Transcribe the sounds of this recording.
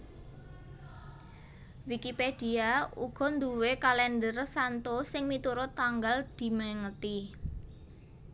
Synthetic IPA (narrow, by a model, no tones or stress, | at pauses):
wikiped̪̥iaṵɡ̥ɔ̤nd̪uwekalɛndərsant̪osɪŋmit̪uɾʊt̪ːaŋɡald̪̥i̤məŋət̪i